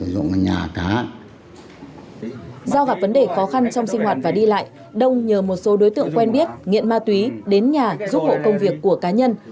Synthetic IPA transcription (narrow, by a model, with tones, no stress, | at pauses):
zʊ̰˧˨ŋ˨ɲa̰ː˨˩kaː˨˦ | zɔ˧wɣa˨˩p̚və˨˦nɗe˧˨˩xɔ˨˦xa˧nt͡ɕɔ˧wŋ͡msï˧ŋ̟hwaː˨˩t̚vaː˨˩ɗi˧la̰ː˧˨j | ɗə˧wŋ͡mɲəː˨˩mo˨˩t̚so˨˦ɗo˨˦jt̪ɨ̰˧˨əŋkwɛ˧nɓi˦˥ət̚ŋḭ˧˨ənmaː˧t̪wi˨˦ɗe˨˦nɲaː˨˩zu˦˥p̚ho̰˧˨kə˧wŋ͡mvi˨˩əkːu˧˩əkaː˨˦ɲə˧n